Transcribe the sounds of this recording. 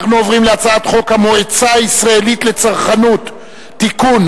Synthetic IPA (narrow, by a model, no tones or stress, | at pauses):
χnuovʁimleat͡saat̪χo̞khamoet͡saisʁae̞lit̪le̞t͡saʁχanut̪ː | ikun